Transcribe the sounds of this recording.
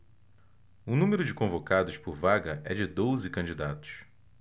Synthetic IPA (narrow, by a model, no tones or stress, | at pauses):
ʊnũmeɾʊd͡ʒɪkõvokad̪ʊspʊɾvaɡɐʔɛd͡ʒɪd̪ozɪkɐ̃d͡ʒid̪at̪ʊ̥s